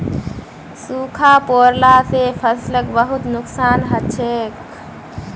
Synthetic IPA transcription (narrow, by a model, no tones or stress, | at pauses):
sukʰapoːɾlasepʰəsləkbəɦut̪nʊksaːnɦətːʃʰek